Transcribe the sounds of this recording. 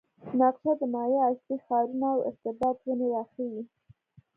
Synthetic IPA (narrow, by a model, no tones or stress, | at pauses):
nɑqʃad̪ənɑjeaslixɑɾunaawɪ̰ɾt̪ɪbɑt̪ɣunewɑxəwi